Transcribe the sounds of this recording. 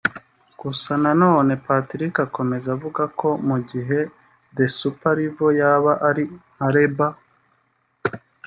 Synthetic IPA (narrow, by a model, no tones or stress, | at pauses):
kusanano̞ːne̞patɾikako̞me̞zavuɡakʰo̞muɟiɦe̞ | de̞supaɾivo̞jaβaʔaɾimaɾe̞ba